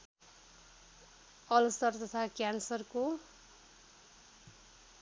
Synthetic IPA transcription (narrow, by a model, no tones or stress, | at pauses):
ʌlst̪ʌrt̪ʌt̪ʰakjansʌrko